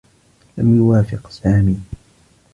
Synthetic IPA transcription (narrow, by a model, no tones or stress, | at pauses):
lamjʊwaːfɪqsaːmiː